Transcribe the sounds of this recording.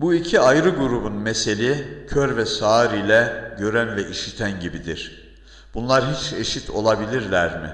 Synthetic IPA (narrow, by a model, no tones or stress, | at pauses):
buicʰiajɾɯɡuɾubunmɛse̞lʲicʰøɾvɛsaːɾijlʲɛɟø̞ɾænvɛʔiʃit̪ʰænɟibid̪iɾ̥ | b̥unlˠaɾɦit͡ʃe̞ʃit̪ʰo̞̰lˠabilʲiɾlʲæɾmɪ